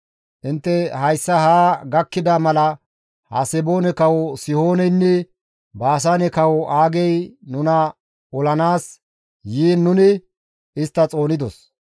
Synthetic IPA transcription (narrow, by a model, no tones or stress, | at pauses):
ʔɪnt̪ːɛhɐjsːɐhaːɡɐkːɪd̪amɐlɐ | hɐ̰sɛbo̞ːnɛkɐwɔsɪho̞ːnɛjnːɛ | baːs̬aːnɛkɐwɔʔaːɡɛjnʊnɐ | ɔlɐnaːs | jiːnːʊnɪ | ɪst̪ːɐt͡sʼo̞ːnɪd̪ɔs